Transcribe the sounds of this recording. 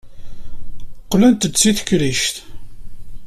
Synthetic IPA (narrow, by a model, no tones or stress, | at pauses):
qːlænt̪ət͡sːiθə̥kɾiʃt̪